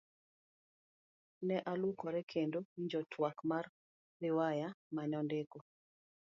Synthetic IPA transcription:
nɛʔalukɔɾɛkʰendoiɲd͡ʒɔtʰwakmar | rɪwajamaɲɔndeko

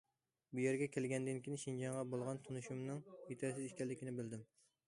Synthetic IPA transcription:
bujeɾɡʲɛkʲʰelɡʲɛnd̪ɪnkʲʰinɪʃind͡ʒɑŋʁɑbolˠʁɑnt̪ʰonuʃumnɨŋit̪ʰɛsɪziʃkʲɛlːɪkʲinɪbɪld̪ɪm

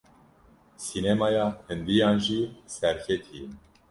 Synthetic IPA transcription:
sinemɑjɑːhɨnd̪ijɑːnʒiːsɛɾcʰɛt̪ʰijɛn

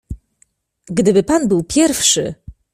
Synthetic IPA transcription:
ɡd̪ɘbɘpanbɘwpʲjɛɾfʂɘ̰

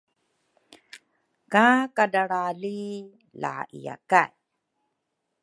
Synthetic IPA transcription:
kakadaɭali | la̰ʔija̰kaj

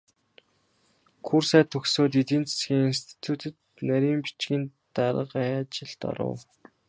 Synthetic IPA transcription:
kʰursæːt̪ʰːɵxsoːt̪̬it̪iːnt͡sʰe̥sɡʲiːŋinst̪ʰi̥t̪ʰut̪ʰɘ̆t̪ | næɾʲiːmpi̥t͡ɕɡʲiːnt̪aɾə̰̆qaæt͡ɕɪ̆ɮt̪ɔ̰ɾə̰w

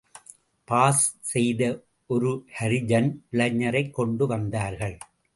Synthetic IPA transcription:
paːssɛjðɐ | ʔɔɾɯhɐɾɪd͡ʒɐnʋɪɭɐɲːɐɾɐɪkːɔɳɖɯʋɐnd̪aːɾɣɐɭ

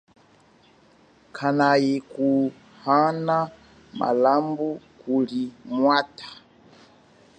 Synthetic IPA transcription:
kʰanajiku | hana | mʔa̰lambukulimwatḁ

